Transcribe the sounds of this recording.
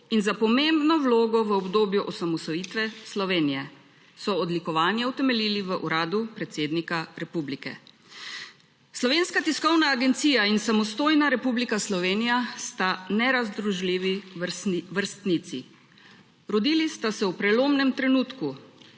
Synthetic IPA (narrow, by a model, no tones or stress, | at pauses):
inzapɔmembnɔwloːɡɔʋəɔbd̪oːbjuʔɔsamɔsɔjiːt̪ʋɛslɔʋeːnijɛ | sɔɔd̪likɔʋaːnjɛwt̪ɛmɛliːliʋəʔuɾaːd̪upɾɛt̪seːd̪nikaɾɛpublikɛ̰ | slɔʋeːnskat̪iskɔwnaːɡɛnt̪siːjainsamɔst̪oːjnaɾɛpublikaslɔʋeːnijast̪anɛɾazd̪ɾuʒliːʋi | ʋəɾst̪nit̪sḭ | ɾɔd̪iːlist̪asɛwpɾɛloːmnɛmt̪ɾɛnuːt̪ku